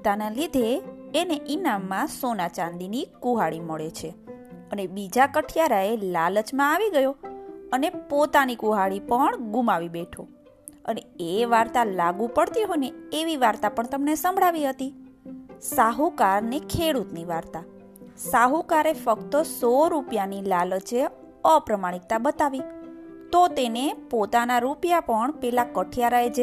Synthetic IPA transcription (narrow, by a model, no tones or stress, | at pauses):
t̪analid̪ʱeːneʔinamːãsonat͡ʃãnd̪inikuɦaɭiməɭet͡ʃʰeənebid͡ʒakəʈʰjaɾaelalət͡ʃmãaʋiɡəjoənepot̪anikuɦaɭipəɳɡumaʋibeʈʰo | əneeʋaɾt̪alaɡũpəɽt̪iɦojneːʋiʋaɾt̪apəɳt̪əmnesəmbʱɭaʋiɦət̪i | saɦukaɾnekʰeɽut̪niʋaɾt̪a | saɦukaɾefəkt̪əsoɾupjanilalət͡ʃe | əpɾəmaɽ̃ik̚t̪abət̪aʋit̪ot̪enepot̪anaɾupjapəɳpɛlakəʈʰijaɾaed͡ʒe